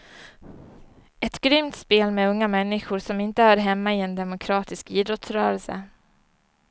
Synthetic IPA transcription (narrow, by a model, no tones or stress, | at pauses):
ɛt̪ɡɾʏmt̪speːlmɛɵŋːamɛnːɪɧʊɾʂɔmɪnt̪əhœːɾɦɛmːaɪɛnd̪ɛmʊkʰɾɑːt̪ɪskiːd̪ɾɔt̪sɾœːɾɛlsə̰